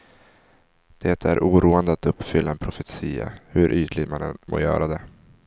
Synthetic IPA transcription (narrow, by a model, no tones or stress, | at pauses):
d̪̥ɛt̪ʰæɾʔuːɾuːənd̪əat̪ɵpːfʏlːaɛnpʰɾʊfɛt̪siːa̰hɵɾʔyːt̪lɪɡ̪manɛnmʔo̰ːjœ̰ːɾad̪ɛ